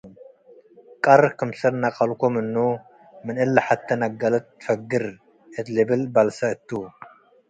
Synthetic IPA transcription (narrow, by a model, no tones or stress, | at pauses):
kʼɐɾkʰɨmsɐɾnaqʼɐlkʰomɨnːu | mɨnɨlːɐħat̪ʰːɐnɐɡɐlɐt̪̚fɐɡɨɾ | ʔɨt̪lɨbɨlbalsɐɨt̪ʰːu